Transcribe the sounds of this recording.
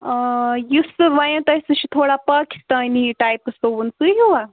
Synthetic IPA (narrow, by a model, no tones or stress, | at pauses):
jusɨʋɐjɐ̃t̪ɐsɨt͡ʃʰit̪ʰoːɽapaːki̥st̪aːniʈajpsounsɨɦuʋa